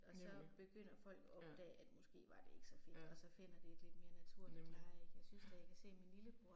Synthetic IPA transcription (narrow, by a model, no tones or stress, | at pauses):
ɒ̽sɒ̽b̥e̝ɡ̥øn̰ɐfɒ̽l̰ɡ̥ɒ̽b̥d̥ɛ̰ːæd̥mɔ̽sɡ̥e̝̰ːʋɑ̈d̥e̝e̝ɡ̥ə̥sɒ̽fe̝d̥ɒ̽sɒ̽fe̝n̰ɐd̥e̝ːd̥le̝d̥me̝ːɐnæt͡sʰuɐ̰lid̥pʰɑ̈ːeɡ̥jɑ̈ɪsynsd̥ækʰæse̝̰ːminliləpʰo̥ʁ